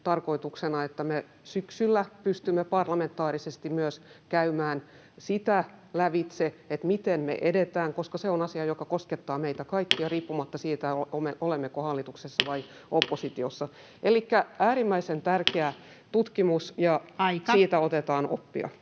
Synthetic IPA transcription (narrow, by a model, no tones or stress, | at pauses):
t̪ɑrko̞it̪uksenɑet̪ːæme | syksylːæpyst̪ymːepɑrlɑment̪ːˑɑːrisest̪immyøskæymæːn | sit̪ælæʋit̪seet̪mit̪enmḛʔedet̪æːŋkoskɑseonɑsiɑjokɑkosket̪ːɑːmeit̪ækɑikːiɑriːpːumɑt̪ːɑsiːt̪æoomeʔolemːekohɑlːit̪uksesːɑʋɑi | opːosit̪iosːɑ | ʔelikːæʔæːɾimːæisent̪ærkeæ | t̪ut̪kimusjɑsiːt̪æot̪et̪ɑːno̰pːḭɑ̰